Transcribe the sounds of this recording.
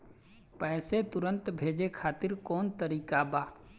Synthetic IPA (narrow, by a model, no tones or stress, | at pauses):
pɛːset̪ʊɾə̃nt̪bʱeːd͡ʒekʰaːt̪ɪɾkɔːnt̪əɾiːkabaː